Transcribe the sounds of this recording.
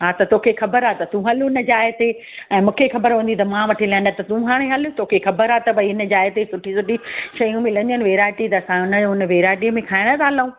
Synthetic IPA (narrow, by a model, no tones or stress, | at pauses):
ɦat̪ɐt̪oːkʰexɐbəɾaːt̪ɐt̪ũɦɐlʊɪnə̆d͡ʑaːɪɦt̪e | ɛ̃ːmũːkʰexɐbəɾɦũːnd̪it̪ɐmãʋɐʈʰilɐ̃nɖət̪ɐt̪ũɦaːɽ̃eɦɐlʊt̪oːkʰexɐbəɾat̪ɐbɐiɪnə̆d͡ʑaːɪt̪esʊʈʰisʊʈiʃɐjũmẽlɐ̃nənɪ̆ʋeːɾaːʈit̪ɐːsãʊnəd͡ʑoʊnə̆ʋeːɾaːʈiəmẽkʰaːɪɽ̃ət̪ʰaːɦlaũː